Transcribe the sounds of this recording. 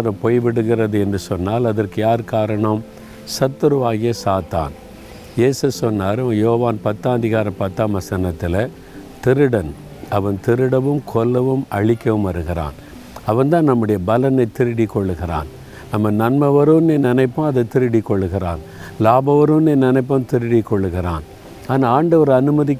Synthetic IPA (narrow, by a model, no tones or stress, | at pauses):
ɾɐpoːjʋɪɽɯɣɪrɐðɯɛndrɯsɔnːaːlɐðɐrkɯjaːɾkaːɾɐɳɐm | sɐt̪ːɯɾɯʋaːɣɪjɐsaːt̪a̰ːn | jeːsɯsɔnːaːɾjoːʋaːnpɐt̪ːaːd̪ɪɣaːɾɐpɐt̪ːaːmɐsɐnɐt̪ːɪlɐ | t̪ɪɾɯɽɐn | ɐʋɐnt̪ɪɾɯɽɐʋɯmkʰɔlːɐʋɯmʔɐɭɪkːɐʋɯmʋɐɾɯɣɪɾa̰ːn | ɐʋɐnd̪ãːnnɐmːɯɽɐjɐbɐlɐnɐɪt̪ːɪɾɪɽikːɔɭːɯɣɪɾa̰ːn | ɐmːɐnɐnmɐʋɐɾɯnɛnɪnɐɪpːɐ̃ːɐðɐɪt̪ːɪɾɯɽɪkːɔɭːɯɣɪra̰ːn | laːbɐʋɐɾɯnɛnɪnɐɪpːɐmt̪ɪɾɪɽɪkːɔɭːɯɣɪɾa̰ːn | aːnaːaːɳɖɐʋɐɾɐnɯmɐðɪkː